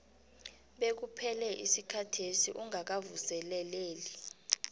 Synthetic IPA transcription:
ɓek̬upʰɛlɛʔisikʰatʰesiʔuŋak̬avusɛlɛleːli

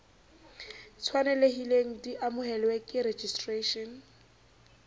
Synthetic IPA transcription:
t͡sʰwanɛleɦileŋ̩diʔamʊɦɛlwɛkʼɪred͡ʒistʼreʃɔn

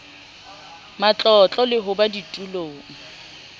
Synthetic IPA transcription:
mat͡ɬʼɔt͡ɬʼɔlɪɦʊbaditʼuloːŋ̩

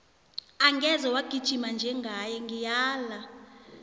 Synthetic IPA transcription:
aŋɡʱɛzɔwaɡ̥ʱid̥ʒ̥ʱimand͡ʒʱɛŋɡʱajɛŋɡijaːla

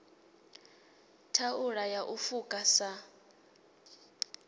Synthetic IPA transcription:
tʰauɺajaʔufukʼasa

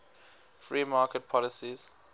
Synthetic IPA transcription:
fɹiːmaːkət̚pʰɔlɪsiz̥

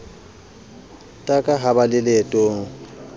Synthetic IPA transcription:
tʼakʼaɦabalɪletʼoːŋ̩

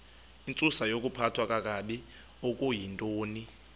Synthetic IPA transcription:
int͡sʼusajok̬ʼupʰatʰwak̬ʼak̬ʼaɗi | ok̬ʼujintʼoːni

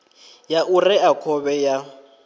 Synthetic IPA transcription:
jaʔurɛakʰɔbɛja

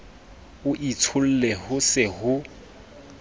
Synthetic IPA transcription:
ʊʔit͡sʰʊl̩lɛhʊsɪhʊ

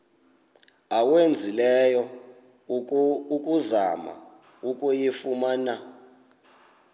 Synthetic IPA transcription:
awend͡zʱilɛjɔ | ukʼuzama̰ | ukʼujefumana

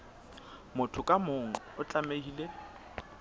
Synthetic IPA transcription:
mʊtʰʊkʼamʊŋ̩ʊt͡ɬʼamehiːle

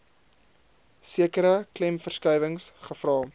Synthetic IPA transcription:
siəkəɾəklɛmfərskœjvəŋsχəfrɑː

